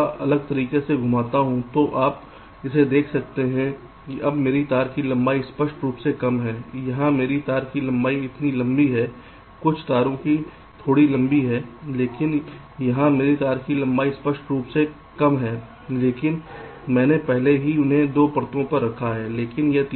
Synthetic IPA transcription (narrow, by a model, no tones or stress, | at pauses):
ʔɐləɡ̚t̪ɐɾiːkeseɡʱʊmaːt̪aɦũt̪oʔaːp | ɪsed̪eːkʰsɐk̚t̪eɦɛ̃ | kiʔɐbmeːɾit̪aːɾkilɐ̃mbaːispɐʃʈɾuːpsekɐmɦɛːjɐɦãmeːɾit̪aːɾkilɐ̃mbaːiɪt̪nilɐ̃mbiɦɛː | kʊt͡ʃʰt̪aːɾõki | t̪ʰoːɽilɐ̃mbiɦɛːleːkɪn | jɐɦãmeːɾit̪aːɾkilɐ̃mbaːispɐʃʈɾuːpse | kɐmɦɛː | leːkɪnmɛ̃ːnepɛɦleɦiʊnɦẽd̪oːpɐɾt̪õpɐɾːɐkʰaɦɛːleːkɪnjet̪